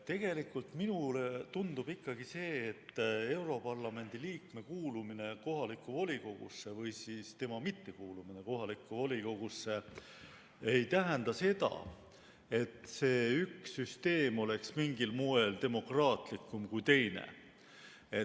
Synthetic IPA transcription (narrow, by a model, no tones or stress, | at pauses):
t̪e̞ɡ̥e̞likːˑult̪minulet̪und̪ub̥ikːɑɡ̥ise̞ːt̪ːe̞wɾo̞pɑrlɑme̞nʲd̪̥iliːkme̞kuːlumine̞ko̞ɦɑlikːˑuvolʲiko̞ɡ̥ṵsːe̞vɤjsiːst̪e̞mɑmit̪ːe̞kuːlumine̞ko̞ɦɑlikːˑuvo̞lʲiko̞ɡ̥usːe̞ | ejt̪æɦend̪̥ɑse̞d̪ɑ̰ | e̞t̪se̞ːyksːyst̪e̞ːmo̞le̞ksmiŋɡilmoe̞lt̪e̞mo̞krɑːt̪likːˑumkujt̪e̞jnḛ | e̞